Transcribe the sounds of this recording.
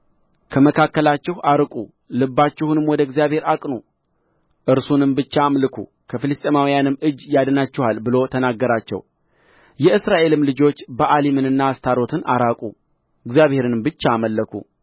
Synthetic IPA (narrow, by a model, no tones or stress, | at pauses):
kʰəməkʰakːəlat͡ʃːɪhaɾkʼu | lɨbːat͡ʃːɪhunɨmwɔd̪əɡzijaβhe̞ɾakʼnu | ʔɨɾsunɨmbɨt͡ʃːaːmlɨkʰṵ | kʰəfɨlɨst̪ʼemawijanɨmːɨd͡ʒːjad̪nat͡ʃːɪhalbɨlo̞t̪ʰənaɡːəɾat͡ʃːɛ̰w | jɛɨsɾaʔe̞lɨmlɨd͡ʒo̞t͡ʃːbəʔalimɨnɨnːaːst̪ʰaɾo̞t̪ʰɨnʔaɾakʼṵ | ɨɡzijaβhe̞ɾɨnɨmbɨt͡ʃːaːməlːəkʰṵ